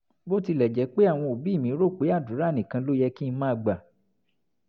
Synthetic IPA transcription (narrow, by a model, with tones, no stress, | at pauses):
bo˦ti˧lɛ˨d͡ʒɛ˨˦k͡pe˦a˦˨w̃ɔ̃˧o˨bi˦˨mĩ˨˦ɾo˦˨k͡pe˨˦a˦˨du˨˦ɾa˦˨nĩ˨kã˧lo˦jɛ˧ki˦n̩˧˦mãː˦˧ɡ͡ba˨